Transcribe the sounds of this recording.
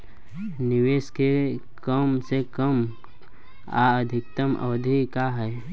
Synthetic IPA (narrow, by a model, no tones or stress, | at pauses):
nɪʋeːske | kəmsekəm | a̰ːəd̪ʱɪk̚t̪əmʔə̰d̪ʱikaɦɛː